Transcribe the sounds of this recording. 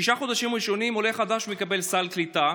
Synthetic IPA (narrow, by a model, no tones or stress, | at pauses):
iʃaχo̞d̪aʃimʁiʃo̞nimo̞leχad̪aʃumekabe̞lsalklit̪a